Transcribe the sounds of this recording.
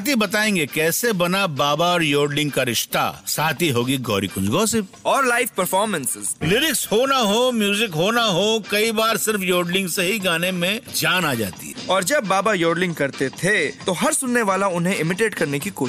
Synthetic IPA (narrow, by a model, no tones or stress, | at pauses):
t̪ibɐt̪aːẽːŋɡekɛːsebɐnabaːbaɔːɾjoːɖlɪ̃ŋɡ̚kaɾɪʃt̪a̰saːt̪ʰiɦoːɡiɡɔ̰ːɾḭkʊ̃nd͡ʒɡɔːse | ɔːɾlaːɪfpɐɾfɔːɾmɛ̃nsɪzlɪɾɪkshoːnaɦomjuːzɪkɦoːnaɦokɐibaːɾsɪɾfjoːɖlɪ̃ŋɡseɦiɡaːnemẽd͡ʒaːnaːd͡ʒa̰ːt̪ḭɦɛɔːɾd͡ʒɐbːaːbajoːɾlɪ̃ŋɡ̚kɐɾt̪et̪ʰet̪oɦɐɾsʊnːeʋaːlaʊnɦẽɪmɪʈeːʈkɐɾnekikoːʃ